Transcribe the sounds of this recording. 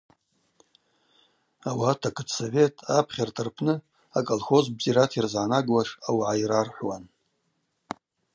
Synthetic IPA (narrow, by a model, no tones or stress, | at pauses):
awatʰakʰɨtʰsove̞tʼapʰχʲartʰɨrpʰnɨ | akʼolxo̞zbziɾatʰirzʕanaɡwaʂawʕajrarħʷwan